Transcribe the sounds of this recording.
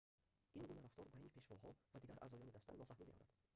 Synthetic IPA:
ʔinɡunaɾaft̪ɔɾbainpʰe̞ʃvɔhɔvad̪iɡaɾʔa̰zɔljɔnid̪ast̪a̰nːɔfahmimeʔɔ̰ɾa̰d̪̥

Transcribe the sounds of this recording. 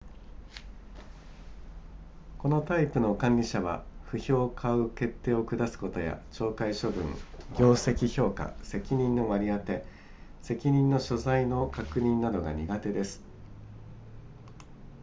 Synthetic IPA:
ko̞no̞t̪aipɯ̟no̞kãɲʲɾʲiɕaβa̰ɸɯ̟ço̞ːkʰaɯ̟ke̞t̪ːe̞ːo̞kɯ̟d̪asɨ̥ko̞t̪o̞ja̰t͡ɕo̞ːkaiɕo̞bɯ̟̰̃ŋɡʲo̞ːse̞kʲiço̞ːka̰se̞kʲiɲ̟ĩnːo̞βaɾʲiat̪e̞ | se̞kʲiɲ̟ĩnːo̞ɕo̞zaino̞kakɯ̟ɲ̟ĩnːad̪o̞ɡa̰ɲ̟iɡat̪e̞d̪e̞sɨ̥

